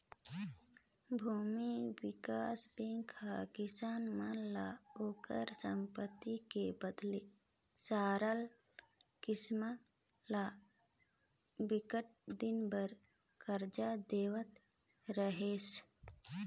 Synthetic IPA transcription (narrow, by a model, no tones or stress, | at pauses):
bʱuːmiwɪkaːsbẽŋkʰːa̰kɪsaːnmanlaoːkə̰ɾsə̃mpət̪ːikebəd̪le | saːɾəl | kɪsma | la | bɪkəʈ̚d̪ɪnbəɾ | kəɾd͡ʒad̪eːwət̪ | ɾəɦeːs